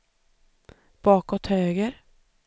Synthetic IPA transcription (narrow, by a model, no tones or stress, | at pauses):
b̥ɑːkɔt̪høːɡəɾ